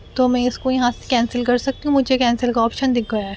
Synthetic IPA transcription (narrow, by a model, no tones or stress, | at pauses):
t̪omɛ̃ɪskojɐɦãse̥kɛ̃ːnsəlkɐɾsɐk̚t̪iɦũmʊd͡ʒʱekɛ̃ːnsəlkaɔːpʃənd̪ɪk̚ʰɡɐjaɦɛ